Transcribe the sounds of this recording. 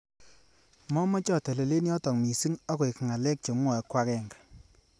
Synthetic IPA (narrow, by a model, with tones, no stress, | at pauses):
mɔ˦mɔ˦t͡ʃɔ˦˨te˨le˨le˦njɔ˦tɔ˨ŋmi˨si˦ŋɔ˦ko˨jkŋa˨lɛ˦k̚t͡ʃo˨m˦wɔ˨ɛ˨˦kwa˦kɛ˨ŋɡa˨